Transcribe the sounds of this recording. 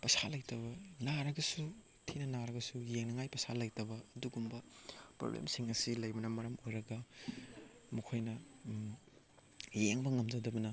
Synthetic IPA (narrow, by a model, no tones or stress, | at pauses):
pɐsalɐjtɐbɐnaɾɐɡɐsu | tʰinɐnaɾɐɡɐsujeŋnɐŋajpɐsalɐjtɐbɐɐduɡumbɐpɾo̰blḛmsiŋɐsilɐjbɐnɐmɐɾɐmojɾɐɡɐ | mukʰojnɐ | jeŋbɐŋɐmzɐdɐbɐnɐ